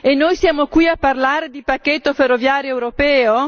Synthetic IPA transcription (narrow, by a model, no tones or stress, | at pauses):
enːojsjaːmokwiapːarlaːɾed̪ipakːet̪ːoferːovjaːɾjoɛwɾopɛːo